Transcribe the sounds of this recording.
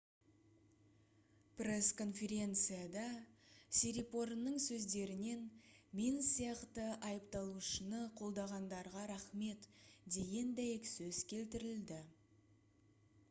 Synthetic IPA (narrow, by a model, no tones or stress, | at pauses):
pre̞sko̞nfʲe̞ɾʲe̞nt̪sɨjad̪ɑsʲeɾʲipo̞ɾnəɴsɵzd̪e̞ɾɪne̞nmʲinsijɑqt̪əʔɑjəpt̪ɑlˠuʃənəqʰo̞lˠd̪ɑʁɑnd̪ɑɾʁɑɾɑχme̞t̪d̪e̞ɡʲe̞nd̪æjksɵz̥kʲʰe̞lt̪ɪɾɪld̪ɪ